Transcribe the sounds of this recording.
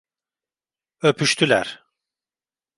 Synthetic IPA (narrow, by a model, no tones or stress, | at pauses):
øpʰyʃt̪ʰylʲæ̰ɾ̥